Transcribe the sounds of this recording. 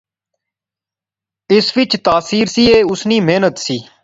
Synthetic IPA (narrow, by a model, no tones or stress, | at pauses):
ɪsʋɪt͡ʃt̪aːsiːɾsiːeːʊsniːmeːnət̪siː